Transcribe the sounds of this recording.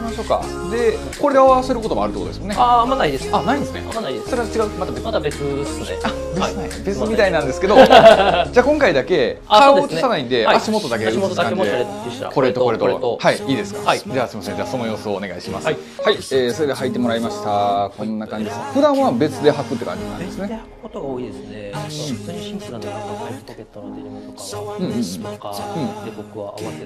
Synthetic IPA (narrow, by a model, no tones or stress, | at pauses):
imaɕo̞ːka̰ | d̪e̞ | koɾe̞d̪eaβaβase̞ɾɯ̟ko̞t̪o̞moaɾɯt̪ːekot̪o̥smnːeamaaid̪esanaĩnd̪esɨnḛsoɾeat͡ɕiɡaɯmat̪abeesnea | bet͡sɨnaibe̞t͡sɨmʲit̪ainãnd̪esɨ̥ke̞d̪o̞ | d͡ʑaːkõŋkaid̪ake̞ | kaot̪asanaĩnd̪e̞aɕimo̞t̪o̞d̪aket̪akãɲḛ | kʰo̞ɾet̪okoɾet̪oohaiiːd̪e̞sɨ̥kḁd͡ʑaːsimasẽɲd͡ʑaːso̞nojo̞ːsoːne̞ɡaiɕimasɨ | haieːso̞ɾe̞d̪e̞ɦait̪ːe̞mo̞ɾaimaɕi̥t̪akõ̞nːakãɲ̟d͡ʑid̪esɸɯ̟d̪ãɰ̃βabe̞t͡sɨd̪e̞ɦakɯ̟t̪ːe̞kã̰ɲ̟d͡ʑinã̰nd̪esɨne | ɯ̟̃ɴɯ̟̃ɴɯ̃ɯ̟̃ɴk